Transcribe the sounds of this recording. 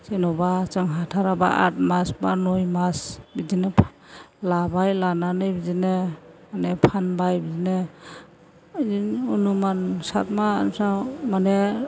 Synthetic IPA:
senɔbat͡ʃɯŋɦatʰaɾaba̰ʔa̰t̚masbanojmasbidinɯpʰ | labajlananɯbid͡ʒinemanepʰanbajbid͡ʒine | inunumansat̚ma̰nsamane

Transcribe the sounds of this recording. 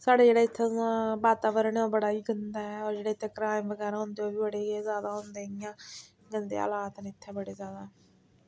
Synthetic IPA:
saːɽeːd͡ʒeːɽaːɪt̪ʰːeãbaːt̪aːʋəɾəɳoːbəɽaːiːɡənd̪aːɛːɔːɾd͡ʒeːɽaːɪt̪ʰːeːkəɾaːɪmʋəɡɛːɾaːɦʊ̃nd̪eoːbiːbəɽeːzjaːd̪aːɦõnd̪eːɪjãː | ɡənd̪ḛːa̰ːlaːt̪nːɪt̪ʰːɛ̃ːbəɽeːzjaːd̪aː

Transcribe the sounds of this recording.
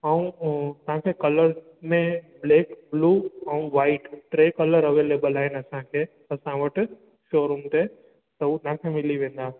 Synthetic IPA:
əũt̪ãkʰekɐləɾ | mẽbleːkbluːɐũʋaːɪʈʈɾeːkələɾɐʋeːleːbəlaɦenəsãkʰe | ɐsãʋəʈ | ʃoːɾumt̪e | sɐut̪ãkʰemɪliʋẽːnd̪a

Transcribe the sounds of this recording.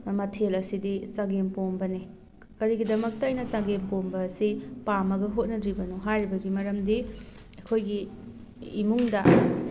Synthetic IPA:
mɐtʰelɐsidisaɡempombɐni | kɐɾiɡidɐmɐk̚tɐɐjnɐsaɡempombɐːsipamɐɡɐɦot̚nɐdɾibɐnuɦajɾibɐɡimɐɾɐmdi | ɐkʰojɡiː | muŋdɐ

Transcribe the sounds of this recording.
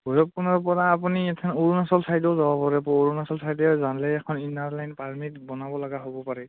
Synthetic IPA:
bʱujɔp̚kɔnɔɹpɔɹaːpuniɛtʰanoɹunasɔlsajtɔʊzawabɔɹɛpɔoɹunasɔlsʰajdɛzanlɛːkʰɔninaɹlajnpaɹmitbɔnabɔlaɡaɦobɔpaɹɛ

